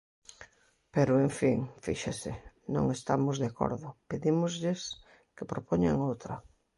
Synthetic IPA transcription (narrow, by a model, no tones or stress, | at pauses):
peɾʊeɱfiŋfḭʃasɪ | nõ̰ŋest̪amʊzðeako̰ɾðʊpeðimʊzʎɪs | kɪpɾopoɲa̰ŋowt̪ɾɐ